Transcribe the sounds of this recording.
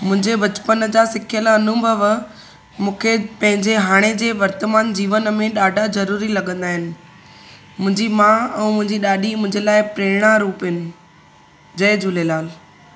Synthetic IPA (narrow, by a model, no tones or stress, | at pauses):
mʊ̃ɦɪ̃ɲd͡ʑebɐt͡ɕpənd͡ʑaːsɪkʰjəlɐnubʱəʋ | mũːkʰepɐ̃ɦɪ̃ɲd͡ʑeɦaːɽ̃ed͡ʑeːʋɐɾt̪əmaːnd͡ʑiːʋənmẽɗaːɖʱazɐɾuːɾilɐɡə̃nd̪aːɦɪnɪ̆ | mʊ̃ɦɪ̃ɲd͡ʑimãɛ̃ːmʊ̃ɦɪ̃ɲd͡ʑiɗaːɗimʊ̃ɦɪ̃ɲd͡ʑelaːɪpɾeːɽ̃aɾuːpɦɪnɪ̆ | d͡ʑɐɪd͡ʑʊlelaːl